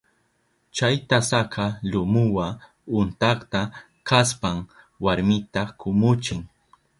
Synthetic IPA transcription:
t͡ʃajt̪asaqʰɑlʊmʊwa | ʊnt̪ɑχt̪a | kaspaŋ | waɾmɪt̪akʊmʊt͡ʃɪŋ

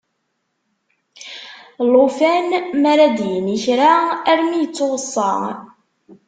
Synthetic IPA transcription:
lofænmæɾæd̪jəniçɾaæɾmijət͡sːoʁəsˤːɑ̰ʁ

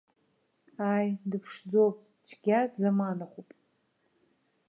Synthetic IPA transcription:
ajdɨpʰʂd͡zowpʼ | t͡ʃʷʰʼɡʲadzamanaχupʼ

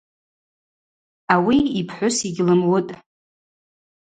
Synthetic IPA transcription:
awiipʰħʷʊsiɡʲlɨmwʊtʼ

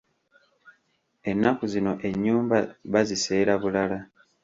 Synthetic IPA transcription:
e̞nːakuzino̞ʔe̞ɲːuːmbaβazise̞ːɾaβulala

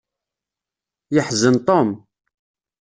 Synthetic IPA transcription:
jəħzənt̪ˤom

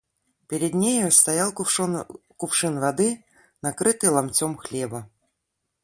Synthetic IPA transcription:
pʲɪɾʲɪd̪nʲejost̪ɐjalˠ | kʊpʂɨnvɐd̪ɨ | nɐkɾɨt̪ɨjlˠɐmt͡sʲomxlʲebə

